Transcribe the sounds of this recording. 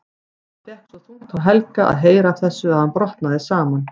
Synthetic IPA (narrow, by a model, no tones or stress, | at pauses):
θɛhksɔθuwt̪ʰawɦɛlkaʔa̰ðɦeːjɾaːfθɛsːʏaðhanpɾɔht̪naðɪsaːman